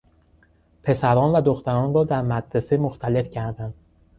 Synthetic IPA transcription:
pʰe̞sæɾɒːnvæd̪oxt̪æɾɒːnɾɒːd̪æɾmæd̪ɾesemoxt̪ʰæle̞fcʰæɾd̪ænd̪̥

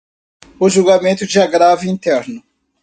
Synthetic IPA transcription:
ʊʒuwɡamẽnt̪ʊd͡ʒɪaɡɾavʊĩnt̪ɛɾnʊ

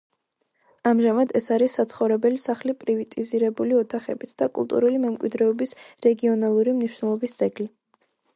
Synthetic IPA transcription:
amʒamad̪ɛsaɾisːat̪sʰχɔvɾɛbɛlisaχlipʼɾivit̪ʼiziɾɛbuliɔt̪ʰaχɛ̰bit̪ʰd̪̥akʼṵlˠt̪ʼṵɾulimɛmkʼwḭd̪ɾɛɔbisɾɛɡiɔnalˠuɾimniʃwnɛlˠɔbist̪sʼɛɡli

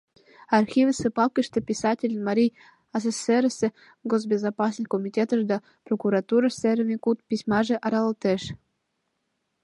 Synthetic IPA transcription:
ɑrxʲivʲəsepɑlkʲəʃt̪ɤ̆pʲisɑtʲelʲnmɑɾʲij | ɑs̬eseɾəsʲĕ | ɡoz̬bʲezɑpɑs̬nɨxʲkomʲitʲet̪ə̆ʃd̪ɑ | prokuɾɑt̪uɾɑseɾmʲekut̪̚pʲisʲmɑʒĕʔɑɾɑlˠt̪eʃ

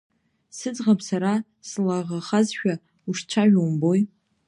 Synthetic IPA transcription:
sɨd͡zʁapʰsaɾa | slaʁaχazʃᶣa | uʂt͡ʃʷʰaʒᶣombo̞j

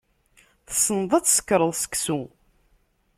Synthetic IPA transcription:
θsːənəðˤæt͡sːsə̥kːɾˤəðˤsə̥kːsu

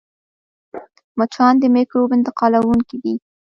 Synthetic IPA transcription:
mat͡ʃʰɑnd̪əmekɾobɪnt̪ɪqɑlawuŋkid̪i

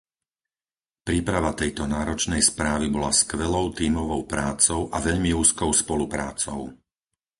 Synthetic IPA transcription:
pɾiːpɾaʋat̪ɛjt̪ɔnaːɾɔt͡ʃnɛjspɾaːʋibɔlaskʋɛlɔʊt̪iːmɔʋɔʊpɾaːt͡sɔʊʔaʋɛʎmiuːskɔʊspɔlupɾa̰ːt͡sɔ̰ʊ

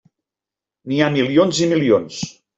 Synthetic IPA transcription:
niamilionzimilions

